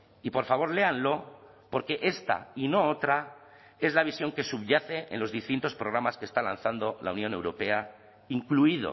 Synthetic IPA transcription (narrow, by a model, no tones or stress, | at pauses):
ipo̞ɾfaβ̞o̞ɾle̞anlo̞ | po̞ɾke̞ʔe̞st̪a̰ino̞ot̪ɾa | e̞zlaβ̞isjo̞ŋke̞suβʝaθe̞ʔḛnlo̞zðist̪int̪o̞spɾo̞ɣ̞ɾamaskest̪ala̰n̟θand̪o̞la̰unjõ̞ne̞wɾo̞pe̞a | iŋkluið̞o̞̰